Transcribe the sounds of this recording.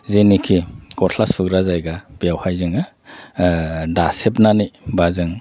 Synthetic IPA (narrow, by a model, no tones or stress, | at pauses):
zenikʰikɔtʰlaspʰɯkɾazajɡabijawhajzɯŋɯ | dasepnanijbazɯŋ